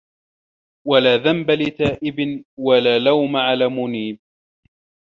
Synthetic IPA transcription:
walaːðambalɪt̪aːʔɪbɪnwalaːlawmaʕalaːmʊniːb̚

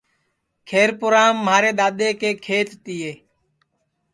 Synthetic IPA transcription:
kʰeːɾpʊɾaːmːaːɾeːɗ̪aːɗ̪eːkeːkʰeːt̪t̪ɪːeː

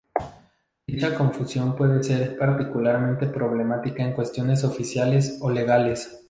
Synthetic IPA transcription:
d̪̥it͡ʃako̞ɱfusjo̞mpwe̞ðe̞se̞ɾpaɾt̪ikulaɾmẽnt̪e̞pɾo̞β̞le̞mat̪ikaeŋkwe̞st̪jo̞ne̞s̬o̞fisjale̞so̞le̞ɣale̞s

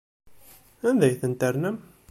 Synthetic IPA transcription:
ænðæjθənt̪əɾnæm

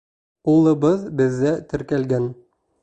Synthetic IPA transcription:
ulˠɤ̆bɤðbɘ̆ðːæt̪ɘ̆ɾkælɡæn

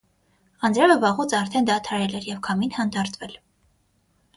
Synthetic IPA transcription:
ɑnd͡zɾɛvəvɑʁut͡sʰɑɾt̪ʰɛnd̪ɑt̪ʰɑɾɛlɛɾjɛvkʰɑminhɑnd̪ɑɾt̪vɛl

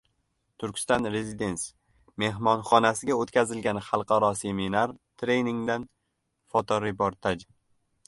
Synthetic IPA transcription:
t̪ʰʊɾkʲst̪ɒnɾezid̪e̞ns | me̞ɦmɒnχɒnasɪɡʲaot̪kʲazɪlɡʲanχɑlˠqʰɑɾɒse̞minaɾt̪ʰɾe̞jnɪŋd̪an | fɒt̪ʰɒɾepoɾt̪ʰad͡ʒ

